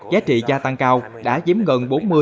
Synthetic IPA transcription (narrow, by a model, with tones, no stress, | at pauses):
zaː˨˦t͡ɕḭ˧˨zaː˧t̪a˧ŋkaː˧w | ɗa̰ː˧˥zi˨˦əmɣə˨˩nɓo˨˦nmɨ˧ə